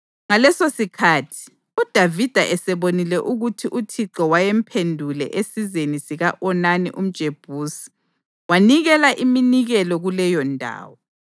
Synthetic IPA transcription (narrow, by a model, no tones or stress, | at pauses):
ŋalɛsosikʰatʰi̥ | ud̥ʱavid̥ʱaʔɛsɛβonilɛʔuɣutʰiʔutʰiǁɔwajem̩pʰendʱulɛ̰ʔesizenisiɣaʔɔnanḭʔum̩d̥ʒ̥ʱeb̥ʱuːsi̥ | waniɣɛlaʔiminiɣɛlɔɣulɛjɔndʱa̰ːwɔ